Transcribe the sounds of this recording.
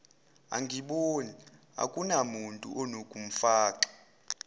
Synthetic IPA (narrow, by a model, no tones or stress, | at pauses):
a̰ŋɡʱiɓoni | a̰kʼunamuntʼṵʔɔnokʼum̩faːǃḁ